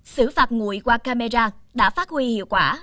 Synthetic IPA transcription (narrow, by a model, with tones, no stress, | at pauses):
sɨ˧˥faː˨˩t̚ŋṵ˧˨əjkwaː˧kaː˧me˧zaː˧ɗa̰ː˧˥faː˦˥t̚hwi˧hḭ˧˨əwkwaː˧˩